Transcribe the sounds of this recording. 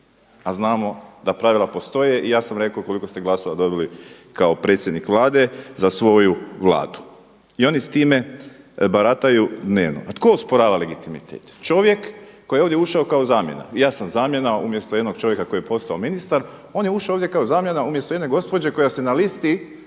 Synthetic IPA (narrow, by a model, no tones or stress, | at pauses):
aznaːmo̞d̪apɾaʋilˠapo̞st̪o̞je̞ʔijaːsamɾe̞kauko̞liko̞st̪eɡlˠasoʋad̪o̞bili | kao̞pɾe̞t̪sjed̪nikʋlˠaːd̪e̞zasʋo̞juʋlˠa̰ːd̪u̥ | io̞nit̪iːme̞ | baɾat̪ajud̪neːʋno̰at̪ko̞uspoɾaːʋale̞ɡit̪imḭt̪ʰḛːt̪t͡ʃo̞ʋje̞kːo̞jioʋd̪jeuʃaokaozaːmje̞̰na̰ijaːsamzaːmje̞naumjest̪ojed̪no̞ɡ̥t͡ʃo̞ʋje̞kako̞jijepo̞st̪aominist̪aɾo̞ːnjeuʃaooːʋd̪ʲje̞kaozaːmje̞naumjest̪o̞ed̪neɡo̞spo̞d͡ʒe̞ko̞jasenalist̪i